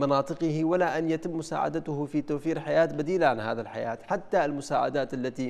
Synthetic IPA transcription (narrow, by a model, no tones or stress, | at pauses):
mɑnɑːt̪ˤɨqɨhiwalaʔanjat̪ɪmːʊsa̰ːʕa̰d̪at̪ʊhfit̪awfiːɾħajaːt̪bad̪iːlaʕanhaːðalħaja̰ːt̪ħat̪ːaɪlmʊsaːʕa̰d̪aːt̪ʔalːat̪i